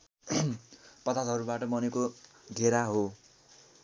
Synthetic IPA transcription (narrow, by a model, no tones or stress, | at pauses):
pʌt̪at̪ɦʌɾubaʈʌmʌneko | d̪ʱeɾaɦo